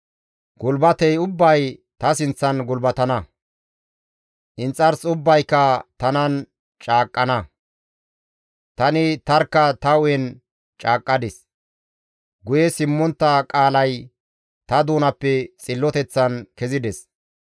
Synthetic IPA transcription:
ɡʊlbɐt̪ɛjʊbːɐjt̪ɐsɪnt͡sːɐnɡʊlbɐt̪ɐnɐ | ʔɪnt͡sʼːɐɾsʊbːɐjkːɐt̪ɐnɐn | t͡ʃʼaːkʼːɐnɐ | t̪ɐnɪt̪ɐɾkːɐt̪ɐʊjɛn | t͡ʃʼaːkʼːɐd̪ɪs | ɡʊjɛsɪmːɔnt̪ːɐkʼaːlɐj | t̪ɐd̪uːnɐpːɛt͡sʼɪlːɔt̪ɛt͡sːɐnkɛzɪd̪ɛs

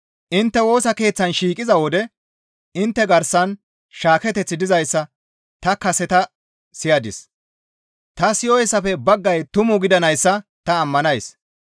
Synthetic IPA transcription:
ʔɪnt̪ːɛwo̞ːsɐke̞ːt͡sːɐnʃiːkʼɪzɐwɔd̪ɛ | ɪnt̪ːɛɡɐɾsɐn | ʃaːkɛt̪ɛt͡sːɪd̪ɪzɐjsːɐ | t̪ɐkɐsɛt̪ɐ | sɪjɐd̪ɪ̰s | t̪ɐsɪjɔjɛsːɐfɛbɐɡːɐjt̪ʊmʊɡɪd̪ɐnɐjsːɐt̪ɐːmːɐnɐjs

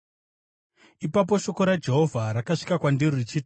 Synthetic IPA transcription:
ipap̬o̞ʃo̞ko̞ɾad͡ʒe̞ɦo̞vʱaɾakaʂi̥kakwanderirit͡ʃit

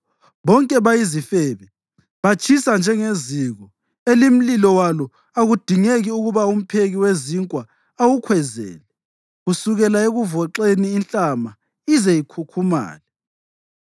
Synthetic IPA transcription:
βɔŋkʼɛβajizifɛβɛ | βat͡ʃʰʼisand͡ʒʱɛŋeziɣɔ | elim̩lilɔwalɔ | aɣud̥ʱiŋeɣiuɣuβaum̩pʰeɣiweziŋkʼwa | awukʰwɛzɛ̰ːlɛ | ɣusuɣɛlaeɣuvɔǁeniːnt͡ɬʼama | izɛjikʰukʰuma̰ːlɛ

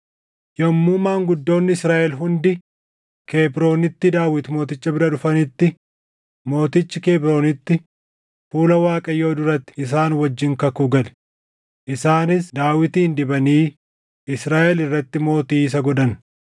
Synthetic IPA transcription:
jɐmːumaːŋɡʊd̪ːo̞ːnːɪɪsɾaːʔɛlɦʊnd̪ɪ | kʰe̞ːbɾo̞ːnɪt̪ːɪd̪aːwɪt̪mo̞ːt̪ɪt͡ʃːɐbɪɾɐᶑʊfɐnɪt̪ːɪ | mo̞ːt̪ɪt͡ʃːɪkeːbɾo̞ːnɪt̪ːɪ | fuːlɐwaːkʼɐjːo̞ːd̪ʊɾɐt̪ːɪ̥ɪs̬aːnwɐd͡ʒːɪŋkɐkuːɡɐl | ʔɪsaːnɪsd̪aːwɪt̪iːnd̪ɪbɐniː | ʔɪsɾaːʔɛlɪrːɐt̪ːɪmo̞ːt̪iːs̬ɐɡɔd̪ɐn

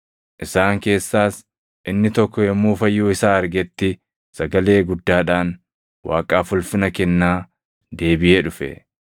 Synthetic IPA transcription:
ʔɪsaːŋke̞ːsːaːs | ʔɪnːɪt̪ɔkːɔjɛmːuːfɐjːuːɪsaːɐɾɡɛt̪ːɪ | sɐɡɐle̞ːɡʊd̪ːaːᶑaːn | wa̰ːkʼaːfʊlfɪnɐkɛnːaː | d̪e̞ːbɪʔeːᶑʊfɛ̰

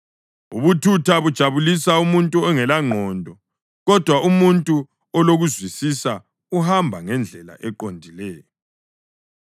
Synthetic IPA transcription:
ṵβutʰutʰaβud̥ʒ̥ʱaβulisaumuntʼuɛŋɛlaŋ͡ǃʱɔndʱɔ | ɣɔd̥ʱwaʔumuntʼu | ɔloɣuzwisisa | uhambʱaŋɛnd͡ɮʱɛla̰ʔɛǃondʱilɛːjɔ

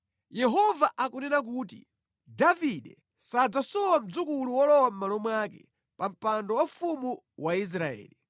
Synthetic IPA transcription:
jɛɦɔvaʔakunɛnak̬uːti | daviɗɛ | sad͡zasɔwam̩d͡zukuluwɔlɔwam̩malɔmwakɛ̰ | pam̩pandɔwafumu | wais̬ɾaɛ̰ːli

